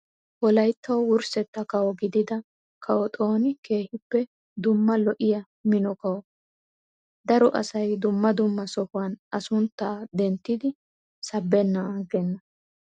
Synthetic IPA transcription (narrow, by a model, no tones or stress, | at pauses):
wɔlɐjt̪ːɐwwʊɾsɛt̪ːɐkɐwɔɡɪd̪ɪd̪ɐ | kʰɐwɔt̪ʼo̞ːnɪke̞ːhɪpːɛ | d̪ʊmːɐlɔʔɪjɐ | mɪnɔkɐwɔ | d̪ɐɾɔʔɐsɐjd̪ʊmːɐd̪ʊmːɐsɔhʊwɐnʔɐsʊnt̪ːaːd̪ɛnt̪ːɪd̪ɪ | sɐbːɛnːɐɡɛnːɐ